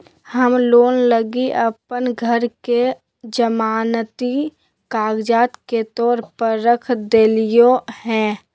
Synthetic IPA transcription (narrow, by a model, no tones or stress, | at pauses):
həmloːnləɡiʔəpənɡʱəɾke | d͡ʒəmaːnt̪i | kaːɡd͡ʒaːt̪ket̪ɔːɾpəɾːəkʰd̪eːlijohɛ̃ː